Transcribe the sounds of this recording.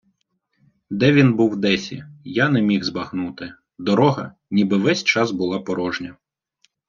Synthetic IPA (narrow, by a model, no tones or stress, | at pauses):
d̪ɛʋʲinbuwd̪ɛsʲḭjanɛmʲixzbɐxnut̪ɪ | d̪ɔɾɔɦɐ̰ | nʲibɪʋɛsʲt͡ʃɑzbʊlˠɑpɔɾɔʒnʲɐ